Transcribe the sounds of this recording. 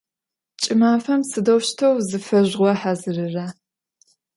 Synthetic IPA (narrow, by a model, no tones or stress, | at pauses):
t͡ʃʼɪmaːfɐmsɨdɐwʃtʰɐwzɨfɐʑʁʷɔħazɨrɨraː